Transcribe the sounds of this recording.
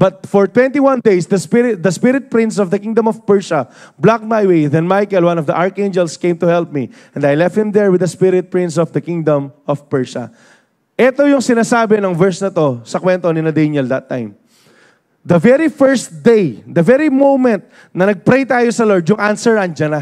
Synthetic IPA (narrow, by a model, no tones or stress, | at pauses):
b̥ɐt̪̚fɔɹt̪wɛ̃nt̪iwãnd̪ejsd̪ɐspɪɾɪd̪ɐspɪɾɪt̪̚pɹɪ̃ns̬ɔvd̪ɐkĩŋd̪ɐ̃mɔvpɛɹʃɐblak̚t̪̚majweðɛnmajkɛlwãnɔvd̪ɐʔaɹkẽnd͡ʒɛlskẽjmt̪ʊhɛlp̚miʔɛ̃nd̪ɐjlɛft̪̚hɪ̃md̪ɛɹwɪd̪ɐspɪɾɪt̪̚pɹɪ̃ns̬ɔvd̪ɐkɪ̃ŋd̪ɐ̃mɔvpɛɹsɐ̰ | ʔɛt̪ojʊŋsɪnaːsaːbɛnɐŋvɛɹsnɐt̪o̞sɐkwɛnt̪onɪnɐd̪enɛld̪ɐt̪ːã̰j̃m | d̪ɐvɛɾifɛɹst̪d̪ejd̪ɐvɛɹimowmɛ̃nt̪̚ | nɐnɐɡ̚pɾejt̪aːjosɐloɹd̪jʊŋʔansɛɹɐnd͡ʒɐnɐ